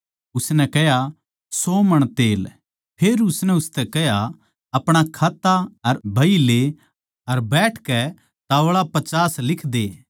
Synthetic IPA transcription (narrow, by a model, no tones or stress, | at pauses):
ʊsnɛkɛja | sɔːmɐɽ̃t̪eːl | pʰeːɾʊsnɛʊst̪ɛkɛɦja | ɐpɽ̃akʰaːt̪ːaɐɾbʱɐile | ɐɾbɛːʈʰkɛ | t̪aːʋɭapɐt͡ʃaːslɪkʰd̪eː